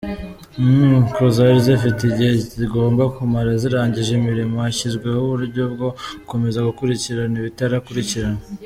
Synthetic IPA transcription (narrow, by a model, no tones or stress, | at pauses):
kɾozaɾizefitiɟiheziɡo̞ːmbakumaɾaziɾaːɲɟiʒemiɾimo̞haçizɡwehuβuɾuɾɟo̞bɡo̞ko̞me̞zaɡukuɾiciɾaniβitaɾakuɾiciɾan